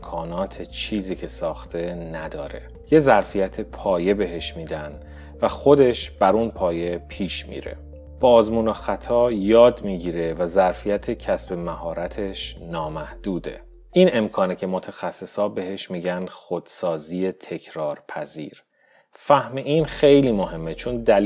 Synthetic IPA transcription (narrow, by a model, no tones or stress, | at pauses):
kʰɒːnɒːt̪ʰet͡ʃʰiːziːcʰe̞sɒːxt̪ʰe̞næd̪ɒːɾe̞̰ | je̞zæɾfijæt̪ʰe̞pʰɒːje̞be̞ɦe̞ʃmiːd̪æn | væxo̞d̪e̞ʃb̥æɾuːnpʰɒːje̞pʰiːʃmḭːɾḛ | b̥ɒːzmuːnoxæt̪ʰɒːjɒːd̪miːɟiːɾe̞væzæɾfijæt̪ʰecʰæsbe̞mæhɒːɾæt̪ʰe̞ʃnɒːmæhd̪̥uːd̪e̞̰ | ʔiːne̞mkʰɒːnecʰe̞mot̪ʰæxæsːe̞sɒːbe̞ɦe̞ʃmiːɟænxod̪̥sɒːziːe̞t̪ʰe̞cʰɾɒːɾpʰæziːɾ | fæhmeʔiːnxe̞jliːmohe̞mːet͡ʃʰond̪æl